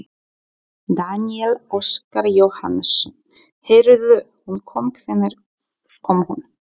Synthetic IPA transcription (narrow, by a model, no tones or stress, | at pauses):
d̪aniɛloskaɾjowha̰nɛs | hejɾðʏ | hunkʰɔmkʰvɛnːɛɾ̥ | kʰɔmhun